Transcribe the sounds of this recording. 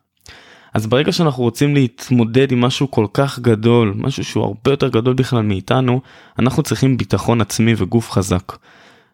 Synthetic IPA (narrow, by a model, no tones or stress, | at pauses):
ʔazbeʁe̞ɡaʃeanaχnuʁot͡simleit̪mo̞de̞dimːaʃuko̞lkaχɡado̞lmʔa̰ʃuʃeua̰ʁbe̞jo̞te̞ʁɡado̞lbiχlalmeːtanu | anaχnut͡sʁiχimbitaχo̞nat͡smiveɡufχazak